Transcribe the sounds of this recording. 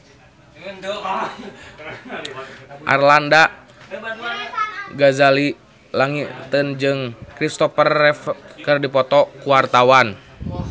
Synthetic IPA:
ʔa̰rlanda | ɡazali | laŋit̪ənd͡ʒɨŋkɾist̪ɔfərɛfkɨrdipɔt̪ɔkuwart̪awan

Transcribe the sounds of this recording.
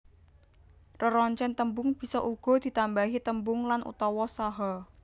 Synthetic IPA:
rəɾɔɲt͡ʃɛnt̪əmbʊŋb̥i̤sɔʔuɡ̥ɔ̤d̪̥i̤t̪ambaɦit̪əmbʊŋlanʔṵt̪ɔwɔsaɦɔ

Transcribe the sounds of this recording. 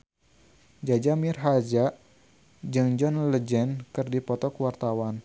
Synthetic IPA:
d͡ʒad͡ʒamirɦad͡ʒaʔ | d͡ʒɨŋd͡ʒɔnləd͡ʒɛnkɨrdipɔt̪ɔkəwart̪awan

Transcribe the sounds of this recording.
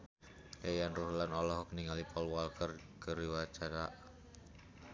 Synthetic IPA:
ʔejanruhlanɔlɔɦɔkniŋalipɔlwalkər | kəɾiwat͡ʃaɾaʔ

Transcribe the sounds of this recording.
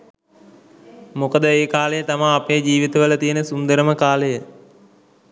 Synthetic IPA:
mukəd̪əeːkaːləjət̪amaːpejd͡ʒiːʋit̪əʋələt̪ijənəsund̪əɾəməkaːləjə

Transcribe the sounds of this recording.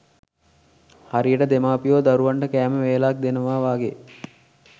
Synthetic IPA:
haɾijəʈəd̪emaːpijoːd̪aɾuʋaɳʈəkæːməʋeːlak̚d̪enəʋaːʋaːɡe

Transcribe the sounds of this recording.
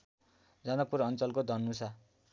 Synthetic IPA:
d͡zʌnʌk̚puɾʌnt͡sʌlkod̪ʱʌnːusʰa

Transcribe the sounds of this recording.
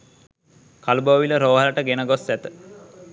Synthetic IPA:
kaluboʋiləɾoːɦaləʈəɡenəɡosːæt̪ə̥

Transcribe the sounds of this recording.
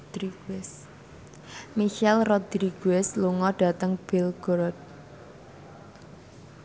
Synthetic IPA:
d̪̥ɾiɡɛs | miʃɛlrod̪̥ɾiɡ̥ɛsluŋɔɖ̥ä̤t̪əŋb̥ɪlɡ̥ɾɔt̪̚

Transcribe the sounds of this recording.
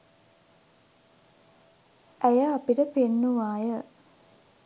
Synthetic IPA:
æjəapiʈəpenːuʋaːjə

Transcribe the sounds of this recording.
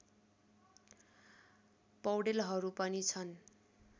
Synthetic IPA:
pʌwɽelɦʌɾupʌnit͡sʰʌn

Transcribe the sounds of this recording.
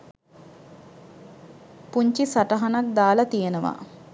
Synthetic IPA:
puɲt͡ʃisaʈəɦanak̚d̪aːlɐt̪ijenəʋa̰

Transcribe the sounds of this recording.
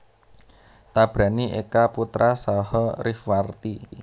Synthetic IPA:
t̪ab̥ɾaniʔekaput̪ɾʔasahɔɾifwart̪i

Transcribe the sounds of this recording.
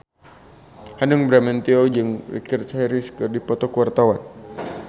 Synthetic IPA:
hanuŋbɾamɛnt̪iod͡ʒɨŋrḭkirhaɾiskɨrdipɔt̪ɔkuwart̪awan

